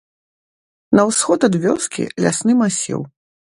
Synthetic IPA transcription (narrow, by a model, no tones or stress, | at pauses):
nɐwsxɔt̪ɐd̪vʲɔskʲḭlʲa̰snɨmasʲḭw